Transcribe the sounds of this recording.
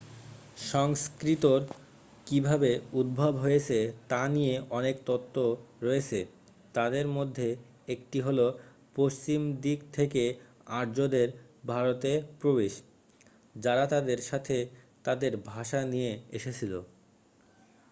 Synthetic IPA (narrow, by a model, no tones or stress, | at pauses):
ʃɔŋskɾit̪oɾ | kibʱabeud̪̚bʱabɦojet͡ɕʰet̪anijeɔnekt̪ɔt̪ʰːoɾɔet͡ɕʰe | t̪ad̪eɾmod̪ʱːe | ekʈiɦolo | post͡ɕimd̪ikt̪ʰeke | aɾd͡ʑod̪eɾ | bʱaɾot̪epɾobeʃ | d͡ʑaɾat̪ad̪eɾʃat̪ʰe | t̪ad̪eɾbʱaʃanijeeʃet͡ɕʰilo̰